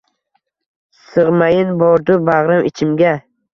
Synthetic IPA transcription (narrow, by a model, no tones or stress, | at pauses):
sɨʁmajɪnbɒɾd̪ʊbaʁɾamɪt͡ʃʰɪmɡʲa